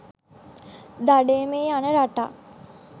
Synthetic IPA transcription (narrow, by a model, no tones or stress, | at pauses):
d̪aɖeːmeːanəɾaʈa̰